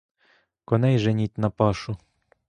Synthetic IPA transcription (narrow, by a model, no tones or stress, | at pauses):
kɔnɛjʒɛnʲit̪ʲnɐpɑʃu